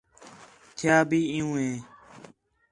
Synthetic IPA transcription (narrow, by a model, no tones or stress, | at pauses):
t̪ʰjaːbʱiːɪ̃jũːɦẽː